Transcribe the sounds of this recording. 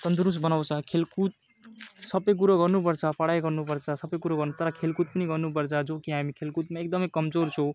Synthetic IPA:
t̪ʌnd̪uɾus̬bʌnaw̃t͡sʰʌkʰelkut̪̚ | sʌbʌjk̬uɾaɡʌrnup̬ʌrt͡sʰʌpʌɽajɡʌrnupʌrt͡sʰʌsʌbʌjkuɾaɡʌrnut̪ʌɾʌkʰelkut̪̚pʌniɡʌrnup̬ʌrt͡sʰʌd͡zokiɦamikʰelkut̪maekd̪ʌmʌjkʌmd͡zort͡sʰõ

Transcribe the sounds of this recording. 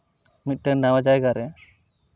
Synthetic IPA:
mit̪̚ˀʈɛnawad͡ʒajɡaɾɛ

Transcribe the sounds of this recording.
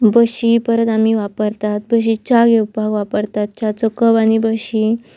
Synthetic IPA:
bəɕipəɾət̪am̤iʋapəɾt̪at̪̚bəɕ̬it͡ɕaɡeupaɡʋapəɾt̪at̪̚t͡ɕat͡sɔkəbanibəɕi

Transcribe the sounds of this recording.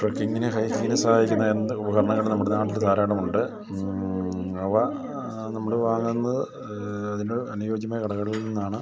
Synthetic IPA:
ʈrɐkːiŋːinɨɦɐjkiinesɐhaːjikʲːunːɐend̪ubɐɣɐɾɐɳɐŋːɐɭenɐmːuɽenaːʈːild̪ʱaːɾaːɽɐmuɳɖɨ | ɐʋɐ | nɐmːɐɭɨʋaːŋːenːɐðɨ | ɐðinoɐnujoːɡjɐmaːjkɐɽɐɣɐɽililninːaːɳɨ

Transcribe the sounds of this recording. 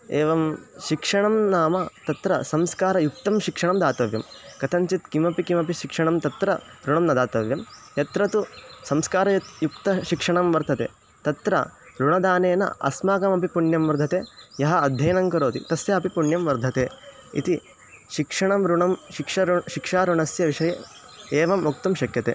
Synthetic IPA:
eːʋɐmʃikʂɐɳɐmnaːmɐt̪ɐt̪ɾɐsɐmskaːɾɐjuk̚t̪ɐmʃikʂɐɳɐmd̪aːt̪ɐʋjɐmkɐt̪ʰɐɲt͡ʃit̪kimɐpikimɐpiʃikʂɐɳɐmt̪ɐt̪ɾɐɾuɳɐmnɐd̪aːt̪ɐʋjɐmjɐt̪ɾɐt̪usɐmskaːɾɐjɐt̪jukt̪ɐʃikʂɐɳɐmʋɐɾt̪ʰɐt̪ḛː | t̪ɐt̪ɾɐ̰ | ɾuɳɐd̪aːneːnɐ̰ɐ̰smaːkɐmɐpipuɳjɐmʋɐɾd̪ʱɐt̪eːjɐɦɐɐd̪ʱjɐjɐnɐŋkɐɾoːt̪ḭt̪ɐsjɐɐpipuɳjɐmʋɐɾd̪ʱɐt̪eː | ḭt̪i | ʃikʂɐɳɐmɾuɳɐmʃikʂɐɾuʃikʂaːɾuɳɐsjɐʋiʂɐjɐ | eːʋɐmuk̚t̪ɐmʃɐkjɐt̪ḛː

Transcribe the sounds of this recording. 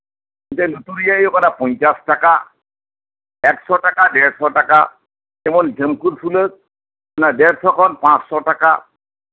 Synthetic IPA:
intɛnut̪uɾijaejɔkɔnapɔɲt͡ʃastaka | ɛksɔʈakadɛɾsɔʈaka̰ | kɛmɔnɡʱəmkuɾfʰulək̚ | ɔnadɛɾsɔkʰɔnpãsːɔtaka

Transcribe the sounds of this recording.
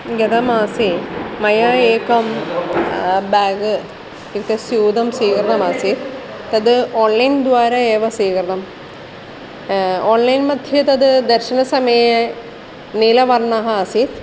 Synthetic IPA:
ɡɐd̪ɐmaːsimɐjaːeːkːɐm | baːɡɨ | ikːɐsjuːd̪ɐmsiːkɐɾɐnɐmaːsit̪ | t̪ɐd̪ɨoːnlɐjnd̪ʋaːɾɐeːʋɐsiːkɐɾɐnɐm | oːnlɐjnmɐd̪ʱjɐt̪ɐd̪ɨd̪ɐɾɕɐnɐsɐmɐjɐ | niːlɐʋɐrɳaːɦɐaːsit̪

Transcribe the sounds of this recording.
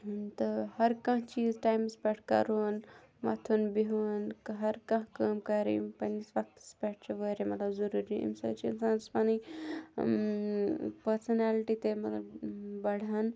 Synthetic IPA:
nt̪ɨhɐɾkɐ̃ɦt͡ʃiːzʈaːjmspʲɛʈʰkɐ̰ɾun | mɐ̰t̪ʰunbiɦunkɦɐɾkɐ̃ɦkɐːmkɐɾḭpɐnisʋɐk̚t̪spʲɛʈ̚ʰt͡ʃʰɐʋəɾemɐt̪lɐbzɐɾuɾiḭmsɐ̰bt͡ʃʰinsanspɐni | pɐɾsɐnaːliʈit̪emɐt̪lɐbbɐɽ̤ɐn

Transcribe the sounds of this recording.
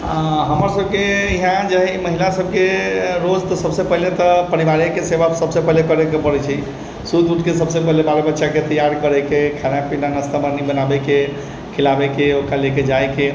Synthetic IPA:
ɦəməɾsəb̚keiɦãd͡ʒaɦɛiməɦilasəb̚ʱkeɾod͡ʒt̪ɔsəbsepəɦilet̪ɔpəɾiʋaɾakesebasəbsepəɦilekəɾɛkepəɾɛt͡ʃʰɛ | sud̪uʈʰkesəbsepəɦilebaɾebətːʃaket̪əjaɾkəɾɛkekʰanapinanəst̪aməɾnibənabɛke | kʰilabekeokaleked͡ʒajke

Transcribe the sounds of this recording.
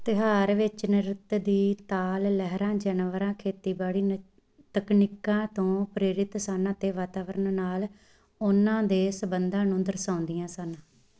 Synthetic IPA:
t̪ɪɦaːɾʋɪt͡ʃnɪɾɪt̪d̪iːt̪aːlːɛɦɾãːd͡ʒənʋəɾãːkʰeːt̪iːbaːɽiːn | t̪əkniːkãːt̪õːpɾeːɾɪt̪sənət̪eːʋaːt̪aːʋəɾənnaːl | ʊnãːd̪eːsəbənd̪ãːnũːd̪əɾsãːnd̪ijãːsən

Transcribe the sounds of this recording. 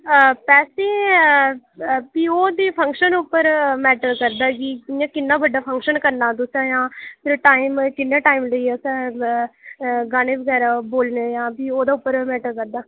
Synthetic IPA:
pɛːseː | piːoːd̪iːpʰə̃ŋkʃənʊpːəɾmɛːʈəɾkəɾd̪aːɡiːjãːkɪnːaːbəɖaːpʰə̃ŋkʃənkəɾnaːt̪ʊsãːjãːpʰɪɾʈaːimkɪnːãːʈaːiːmləiːɛsãː | ɡaːɽ̃ẽːʋəɡɛːɾaːboːlneːjãːbiːoːd̪aːʊpːəɾmɛːʈəɾkəɾd̪aː

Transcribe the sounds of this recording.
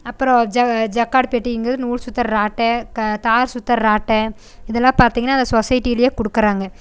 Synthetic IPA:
ɐpːɯɾõd͡ʒɐd͡ʒɐkːaːɽpeːʈːiɪŋɡɾɐðɯnuːɾsʊt̪ːɐɾɾaːʈːɛt̪aːɾsʊt̪ːɐɾɾaːʈːɛ | ɪðɛlːãːpaːɾt̪iːŋɡɐnːaːɐnd̪ɐsɔsɐjɪʈːiɪlɐjeːkɔɽɯkːɐɾaːŋɡɐ

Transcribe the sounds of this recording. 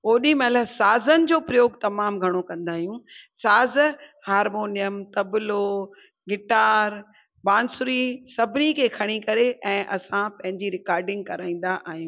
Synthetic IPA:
oːɗĩmɛləsaːzənɪ̆d͡ʑoːpɾɐjoːɡt̪ɐmaːmɡʱɐɽ̃okɐ̃nd̪aːɦijũsaːzhaːɾmoːnijəmt̪ɐblo | ɡɪʈaːɾ | baːnsʊɾisɐbʱɪnikʰeːkʰɐɽ̃ikɐɾeʔɛ̃ːʔɐsãpɐ̃ɦɪ̃ɲd͡ʑiɾɪkaːɾɖɪ̃ŋɡ̚kɐɾaːĩːn̆d̪aʔaːɦijũ

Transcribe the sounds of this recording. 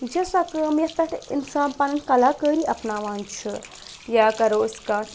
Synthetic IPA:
d͡ʒɐsɐkəːmjɐt̪ɐʈʰḭnsaːnpɐnɐŋkɐlakəːɾiʔɐpnaːʋaːnt͡ʃʰɨ | jaːkɐɾoːskaːʈ

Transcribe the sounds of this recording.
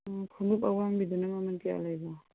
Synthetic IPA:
kʰumup̚awaŋbid̪unamamankea̰lajba

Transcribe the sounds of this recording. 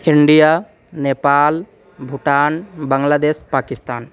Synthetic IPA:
iɳɖija | neːpaːl | bʱuʈaːnbəŋlaːd̪eːʃpaːkist̪aːn

